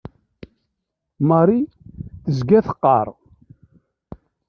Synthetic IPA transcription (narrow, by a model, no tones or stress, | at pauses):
mɑɾˤi | θəzɡæθə̥qːɑ̰ɾˤ